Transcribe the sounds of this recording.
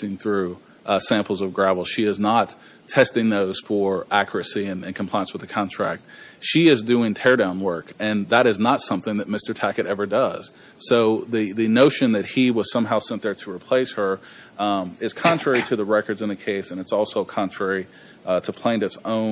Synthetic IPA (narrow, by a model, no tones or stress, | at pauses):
ɪ̃ŋθɹʉ | sæ̃mpl̩ˠzʌvɡɹævl̩̥ˠʃiɨznətʰ | ɛstɪ̃ŋðoʊz̥fə˞ʔækjə˞ɨsiɨ̃nɨ̃nkʰm̩pʰaɪ̃nswəðɨkʰɑ̃ntʰɹ̥æ̰k̚t̚ʃiɪzdʉɪ̃ŋtʰɛɹɾãʊ̃nwɜ˞kɨ̃nðəɾɨznətsʌ̃mθɪ̃ŋðɨt̚mɪstə˞tʰækɨɾɛvə˞dʌz̥ | soʊðɨðɨnoʊʃɨ̃nðɨt̚hiwʌz̥sʌ̃mɦaʊsɛ̃nðə˞ɾəɹipʰl̥eɪshə˞ | ɪz̥kʰɑ̃nt͡ʃɹ̥ɛɹiɾɨðɨɹɛkə˞dzɨ̃nðɨkʰeɪsɨ̃nɨtsɔlˠsoʊkʰɑ̃nt͡ʃʰɹ̥ɛɹi | ɾəpʰl̥æ̃ɪ̃ndɨtsõʊ̃